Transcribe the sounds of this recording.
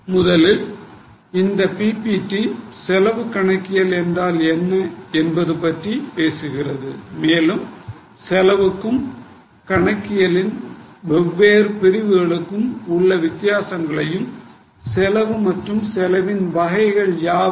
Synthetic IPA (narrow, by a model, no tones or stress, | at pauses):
mʊðɐlɪl | ɪnd̪ɐpiːpiːʈːisɛlɐʋɯkɐɳɐkːɪjɐlɛndraːlɛnːɐɛnbɐðɯpɐʈripeːsɯɣɪrɐðɯmeːlɯm | sɛlɐʋɯkːɯm | kɐɳɐkːɪjɐlɪnʋɛʋːeːɾpɪɾɪʋɯɣɐɭɯkːɯmʊɭːɐʋɪt̪ːɪjaːsɐŋɡɐɭɐjɯm | sɛlɐʋɯmɐʈrɯmsɛlɐʋɪnʋɐɣɐɪɣɐɭjaː